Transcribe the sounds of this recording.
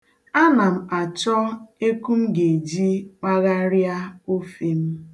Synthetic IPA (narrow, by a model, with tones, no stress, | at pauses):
a˦na˨m̩˨a˨t͡ʃɔ˦e˦ku˦m̩˦ɡe˨d͡ʒi˦k͡pa˦ɣa˦ɾja˦o˦fi˦m̩˦